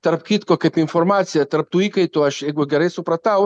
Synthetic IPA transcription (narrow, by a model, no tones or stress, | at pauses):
t̪aɾp̚kit̪kokepiɱfoɾmat̪sjat̪aɾp̚t̪uikajt̪uaʃeɡʷweɡaɾesupɾat̪aw